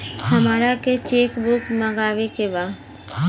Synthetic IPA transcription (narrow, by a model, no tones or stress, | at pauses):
hɐmaːɾaket͡ʃeːkbʊkməɡaːʋekebaː